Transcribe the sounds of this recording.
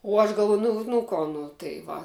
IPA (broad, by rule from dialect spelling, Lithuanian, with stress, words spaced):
ʊ ˈɐʃ ɡɐlˠˈʋuɔjʊ ˈnʊ nʊ ˈkoː ˈnʊ tɐɪ ˈʋɐ